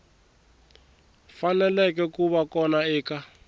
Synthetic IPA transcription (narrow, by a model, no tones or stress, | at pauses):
fanɛlɛkɛkuβakɔnaɛːka